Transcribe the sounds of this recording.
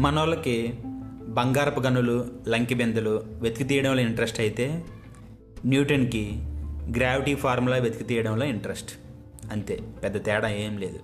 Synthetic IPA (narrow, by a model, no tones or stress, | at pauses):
mɐnoːlɐki | bɐŋɡaːɾɐpuɡɐnːululɐŋkibend̪ɐluʋed̪u̥kit̪iːjɐɽɐmloːiɳʈɐɾesʈɐjit̪e̞ː | njuːʈɐnkiɡɾaːʋiʈiːpʰaːɾmlɐːʋjed̪ukit̪iːjɐɽɐmloːiɳʈɐɾesʈ | ɐnt̪e̞̰ːpɛd̪ːɐt̪ɛːɽɐeːmle̞ːd̪u